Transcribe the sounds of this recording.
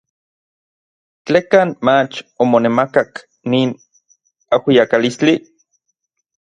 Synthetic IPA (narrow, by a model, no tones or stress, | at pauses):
t͡ɬeːkaːnmat͡ʃomonemakak | niːn | awijakalist͡ɬi